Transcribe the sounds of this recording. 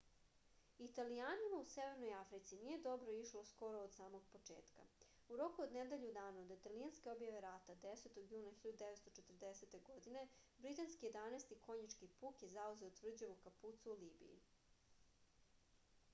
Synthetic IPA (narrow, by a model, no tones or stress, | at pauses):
it̪alijaːnimauseʋe̞ɾnojafɾit̪sinije̞d̪o̞bɾo̞iʃlosko̞ɾo̞ːd̪saːmoɡ̚po̞t͡ʂḛːt̪ka̰ | uɾo̞kuod̪ned̪eʎud̪aːnaod̪it̪alianske̞o̞bjaʋe̞ɾat̪ad̪eset̪oɡjuːnaxiʎad̪ud̪eʋet̪st̪ot͡ʃet̪r̩d̪ese̞t̪e̞ɡo̞d̪ine̞bɾit̪anskije̞d̪anest̪iko̞ɲit͡ʃkipuːkjezauze̞ot̪vr̩d͡ʑeʋukaput̪suːliːbḭjḭ